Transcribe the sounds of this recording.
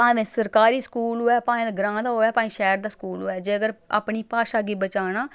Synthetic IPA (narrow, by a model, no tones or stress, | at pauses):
pãːʋẽːsəɾkaːɾiːskuːloːɛːpãːẽːd̪ɡɾãːd̪aːɦoːɛːpãːĩːʃɛːɾd̪aːskuːloːɛːd͡ʒeːəɡəɾa̰ːpɳiːpaːʃaːɡeːbət͡ʃaːɽaː